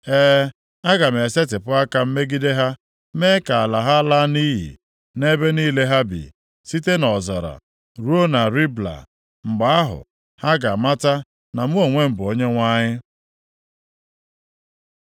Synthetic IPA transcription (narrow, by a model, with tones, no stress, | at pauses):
eː˦ | a˦ɡa˨m̩˨e˨se˦tɪ˨pʊ˦a˦ka˦m̩˦me˦ɡi˦de˦ɦa˦ | me˦ka˨a˨la˨ɦa˦a˦la˦ni˦ɦḭ˨ | ne˦be˦niː˦le˦ɦa˦bḭ˨ | si˦te˦nɔ˨zɔ˨ɾa̰˨ | ɾu˦o˦na˨ɾi˦bla̰˨ | ŋ͡m̩˨ɡ͡ba˨a˦ɦʊ̰˨ | ha˦ɡa˨ma˦ta˦ | na˨mu˦o˨ŋʷe˦m̩˨bʊ˨o˦ɲe˦ŋʷa˦ɲɪ˦